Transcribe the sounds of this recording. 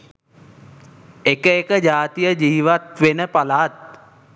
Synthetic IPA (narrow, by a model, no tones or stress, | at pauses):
ekəekəd͡ʒaːt̪ijəd͡ʒiːʋat̪ʋenəpalaːt̪̚